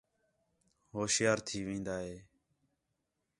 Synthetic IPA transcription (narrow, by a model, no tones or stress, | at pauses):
ɦoːʃjaːɾt̪ʰiːʋĩːnd̪aːɦeː